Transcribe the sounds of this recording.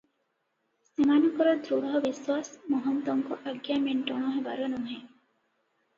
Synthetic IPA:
simaːnɐkoɾɐd̪ɾuɽɐɦɐʋiswaːsmoɦɐmt̪oŋkoʔɐɡːæːmiɳʈoɳ̃oːɦeʋɐ̰ɾɐnuŋɦe

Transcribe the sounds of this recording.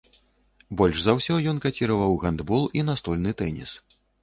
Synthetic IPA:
bɔlʲʂzɐwsʲɔjɔnkat͡sʲiɾɐvɐwɣand̪bɔlˠinɐst̪ɔlʲnɨt̪ɛnʲḭs

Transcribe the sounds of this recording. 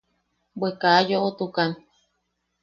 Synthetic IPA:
bwekaːjoʔot̪ukan

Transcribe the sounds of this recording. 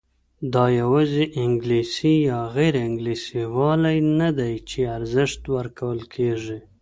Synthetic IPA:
d̪ɑjawɑziʔɪŋɡlisijɑɣeɾɪŋɡlisiwɑlajnad̪ajt͡ʃeaɾzɪʂt̪wəɾkʰawəlkʰeʐi

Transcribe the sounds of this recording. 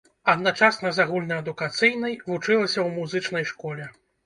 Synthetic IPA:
ɐd̪nat͡ʂasnɐzaɣulʲnɐɐd̪ukat̪sɨjnɐjvut͡ʂɨlˠɐsʲɐwmuzɨt͡ʂn̪ɐjʂkɔlʲɛ

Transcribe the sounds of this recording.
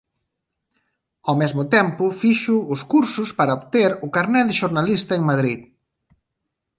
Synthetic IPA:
awmɛzmʊt̪ɛmpʊfiʃʊʊskuɾsʊspaɾɐoβt̪eɾʊkaɾnɛðɪʃoɾnalist̪ɐeŋmaðɾið

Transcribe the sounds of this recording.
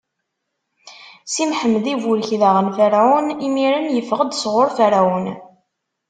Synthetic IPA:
simħəmːðivulçðaʁənfæɾaunimiɾənjəfəʁəd̪sʁoɾfæɾaən

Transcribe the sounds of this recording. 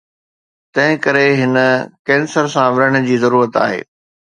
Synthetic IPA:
t̪ɐ̃ɦɪ̃kɐɾeɦɪnəkɛ̃ːnsəɾsãʋɪɾəɽ̃̆d͡ʑiːzɐɾuːɾət̪a̰ːɦḛː

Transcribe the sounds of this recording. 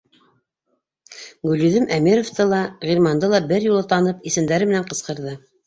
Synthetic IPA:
ɡʉlyðɘmʔæmiɾoft̪ɤlˠɑʁiɾmɑnd̪ɤlˠɑbɘɾjulˠɤt̪ɑnɤpisɘ̆nd̪æɾɘmɘ̆næɴqɤ̆sqɤ̆ɾðɤ

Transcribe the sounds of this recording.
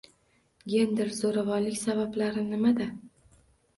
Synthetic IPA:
ɡʲe̞nd̪ɪɾzoɾavɒnlɪkʲsabablaɾɪnɪmad̪a

